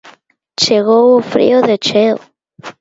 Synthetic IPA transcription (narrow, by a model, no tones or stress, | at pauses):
t͡ʃeɣoufɾḭoðet͡ʃe